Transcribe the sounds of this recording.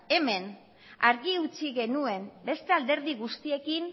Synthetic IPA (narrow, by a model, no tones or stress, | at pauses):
e̞me̞n | aɾɣiut͡siɣe̞nue̞mbe̞st̪e̞ald̪e̞ɾðiɣust̪ie̞kin